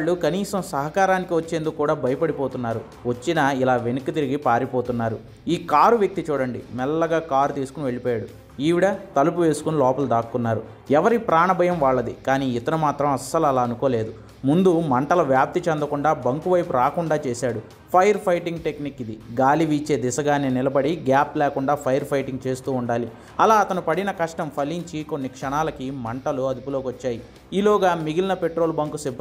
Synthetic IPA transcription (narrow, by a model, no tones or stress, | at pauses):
ɭːukɐniːsɐmsɐɦɐkaːɾaːnikiʋɐt͡ʃːeːnd̪ukkːuːɽaːbʱɐjɐpɐɽipoːt̪unːaːɾu | ʋɐt͡ʃːinɐilaːʋe̞nukːit̪iɾiɡipaːɾipoːt̪unːaːɾu | iːkaːɾuʋjɐk̚t̪it͡ʃuːɽɐɳɖimɛlːɐɡaːkaːɾut̪iːsu̥kuniʋe̞ɭipɔːjaːɽu | iːʋiɽɐt̪ɐlupuʋe̞ːsu̥kunilɔːpɐld̪aːkːunːaːɾu | ɛʋɐɾipɾaːɳɐbʱɐjɐmʋaːɭːɐd̪ikaːniːit̪ɐnumaːt̪ɾɐmɐsːɐlɐlaːɐnukoːle̞ːd̪u | mund̪umɐɳʈɐlɐʋjaːp̚t̪it͡ʃɐnd̪ɐkuɳɖaːbɐŋkuʋɐjpuɾaːkuɳɖaːt͡ʃeːsaːɽu | pʰɐjɐɾpʰɐjʈiŋɡʈe̞knikːid̪iɡaːliʋiːt͡ʃe̞ːd̪isɐɡaːneːnilɐbɐɽiɡaːplɛːkuɳɖaːpʰɐjɐɾpʰɐjʈiŋɡ̚t͡ʃe̞ːst̪uːuɳɖaːli | ɐlaːɐt̪ɐnupɐɽinɐkɐʂʈɐmpʰɐliɲt͡ʃikonːikʂɐɳaːlɐkimɐɳʈɐluɐd̪upuloːkʋɐt͡ʃːaːji | iːlɔːɡaːmiɡilinɐpe̞ʈɾo̞ːlbɐŋkuseb